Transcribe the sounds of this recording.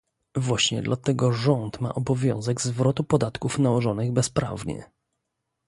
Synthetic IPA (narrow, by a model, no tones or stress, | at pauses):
vwaɕɲɛ̰d̪lʔat̪ɛɡɔʐɔnt̪ma̰ʔɔbɔvʲjɔ̰̃w̃zɛɡzvɾɔt̪upɔd̪at̪kufnawɔʐɔnɘɣbɛspɾa̰vɲɛ̰